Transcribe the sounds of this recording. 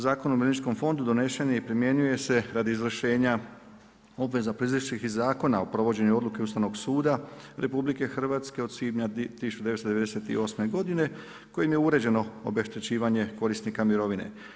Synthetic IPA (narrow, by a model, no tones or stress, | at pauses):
zaːko̞numiɾenit͡ʃko̞mfo̞nd̪ud̪o̞ne̞ʃe̞neipɾimje̞ɲuje̞se̞ɾad̪iizʋr̩ʃe̞ːɲa | o̞bʋe̞zapɾizliʃixzaːko̞naopɾo̞ʋo̞d͡ʑe̞ɲuo̞d̪lukeust̪aʋno̞ɡsuːd̪aɾe̞publike̞xr̩ʋaːt̪ske̞osid̪ɲat̪isut͡ʃod̪eest̪d̪ee̞d̪e̞set̪ḭo̞sme̞ɡo̞d̪ine̞ | ko̞jimjeuɾe̞d͡ʑe̞no̞o̰be̞ʃt̪e̞t͡ɕiːʋaɲe̞ko̞ɾisnikamiɾo̞ʋine̞̰